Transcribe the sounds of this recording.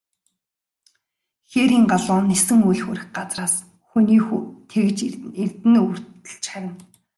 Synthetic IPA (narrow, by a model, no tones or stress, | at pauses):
xeːɾiːŋɢaɮʊːnːesɘ̆ŋujɮxuɾɘ̆xɢat͡sraːs | xuniːxt̪ʰeɣɘ̆t͡ɕirt̪ɘ̆nur̥t̪ɘ̥̆ɮt͡ɕχæɾʲɪ̆n